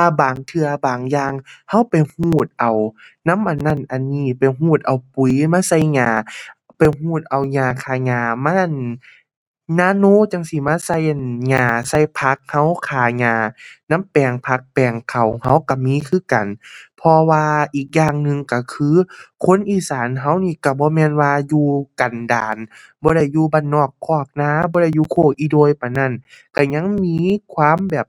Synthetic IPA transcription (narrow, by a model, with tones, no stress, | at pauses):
tʰaː˧baː˨˩ŋt̪ʰɯ˧ɐbaː˨˩ŋjaː˧ŋha˧˥˨wpa˨˩jhuː˧˩t̪̚ʔa˨˩wna˧˥˨mʔa˨˩nːa˧˥˩nʔa˨˩nːiː˧˩˨pa˨˩jɦuː˧˩t̪̚ʔa˨wpu˨˩jmaː˧˥˨sa˧˥˩jɲaː˧˩ | pa˨jɦuː˧˩t̪̚ʔa˨˩wɲaː˧˩kʰaː˨˩ɲaː˧˩maː˧˥ʔn | naː˧˥˨noː˧˥˨t͡ɕa˧˩ŋsi˧˦maː˧˥˨sa˧˩˨jʔnɲaː˧˩sa˧˩˨jpʰa˧˦˥k̚ha˧˥˩wkʰaː˨˩ɲaː˧˩na˧˥˨mpɛː˨˩ŋpʰa˧˥k̚pɛː˨˩ŋkʰa˨˩wha˧˩wka˧˩miː˧˥˨kʰɯː˧˥˨ka˨˩npʰɔ˧waː˧ʔiː˨˩k̚jaː˧˨ŋnɯ˧ŋka˧˩kʰɯː˧˥˦kʰo˧˥˨nʔiː˧˩saː˨˦nɦa˧˥˨wniː˧˩ka˧˩bɔː˧˦mɛː˧˥˨nwaː˧juː˧ka˨˩ndaː˨nbɔː˧˦ɾa˧˩jːuː˧baː˧˩nːɔː˧˩kʰːɔː˧˩k̚naː˧˥˨bɔː˧˦ɾa˧˩jːuː˧kʰoː˧˩ʔiː˧˦doː˧˨jpa˨˩jna˧˥˩nka˧˩ɲa˧˥˨ŋmiː˧˥kʰwaː˧˥˨mbɛː˨˩p̚